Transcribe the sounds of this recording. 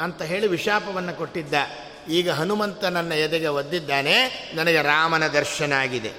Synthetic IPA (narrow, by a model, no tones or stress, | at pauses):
ɐnt̪ɐɦe̞ːɭiʋiʃaːpɐʋɐnːɐko̞ʈːid̪ːɐ | iːɡɐɦɐnumɐnt̪ɐnɐnːɐjɛd̪ɛɡeʋɐd̪ːid̪ːaːnenɐnɐɡeɾaːmɐnɐd̪ɐɾʃɐnaːɡid̪e̞̰